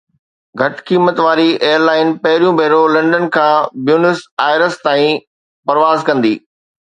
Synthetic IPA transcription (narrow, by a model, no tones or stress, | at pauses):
ɡʱɐʈkiːmət̪ʋaːɾiʔeːəɾlaːɪnpɐɦɪɾijũbʱeːɾolɐ̃ɳɖənkʰãːbjuːnɪsaːɪɾəst̪aːĩ | pɐɾʋaːzkɐ̃nd̪iː